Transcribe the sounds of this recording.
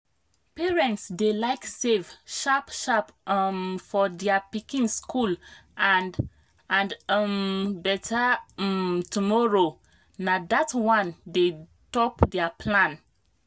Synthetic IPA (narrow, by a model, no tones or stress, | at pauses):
pɛɹɛ̃ntsdelaɪksevʃapʃapmfɔdɛapikĩnskʰulan | ãndmbɛtʰamtumɔɹo | nadatwãnde | tɔpdɛapʰlãn